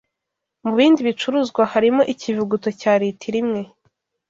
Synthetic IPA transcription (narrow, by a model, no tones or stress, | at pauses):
muβiːndiβit͡ʃuɾuzɡwahaɾimo̞ʔicivuɡutocaːɾitʰiɾimŋe̞